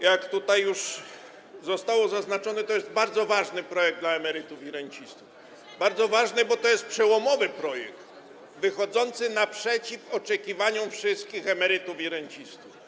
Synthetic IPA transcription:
jakt̪ut̪ajːuʂ | zɔst̪awɔzaznat͡ʂɔnɛt̪ɔjɛszd̪baɾd̪zɔvaʐnɘpɾɔjɛɡ̚d̪laɛmɛɾɘt̪ufiɾɛɲt͡ɕist̪uf | baɾd̪zɔvaʐnɘbɔt̪ɔjɛst̪̚pʂɛwɔmɔvɘpɾɔjɛ̰kt̪ | vɘxɔd̪zɔnt̪sɘnapʂɛt͡ɕifɔt͡ʂɛkʲivaɲɔfʂɘst̪̚kʲixɛmɛɾɘt̪ufiɾɛɲt͡ɕist̪uf

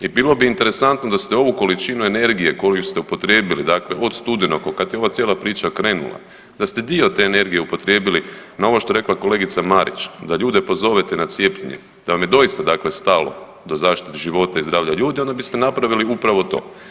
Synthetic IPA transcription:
ibilo̞biiːnt̪e̞ɾe̞sant̪no̞d̪ast̪eo̞ʋuko̞lit͡ʃinue̞ne̞ɾɡije̞ko̞ijust̪ɛupo̞t̪ɾjeːbilid̪akle̞ʔo̞d̪st̪ud̪inokokad̪t̪jeo̞ʋat̪sjelˠapɾiːt͡ʃakɾe̞ːnṵlˠa̰ | d̪ast̪e̞d̪io̞t̪e̞ːne̞ɾɡije̞upo̞t̪ɾʲje̞ːbilinao̞ʋo̞ʃt̪o̞ɾe̞klˠako̞le̞ɡit̪samaɾḭt͡ʃd̪aʎuːd̪epo̞zo̞ʋet̪enat̪sje̞pʎeɲḛ | d̪̥aʋamjed̪o̞ist̪ad̪aːkle̞st̪alo̞̰ | d̪o̞zaːʃt̪i̥t̪eʒiʋo̞t̪aizd̪ɾaːʋʎaʎuːd̪io̞nd̪abist̪enapɾaʋiliupɾaʋo̞t̪o̞̰ː

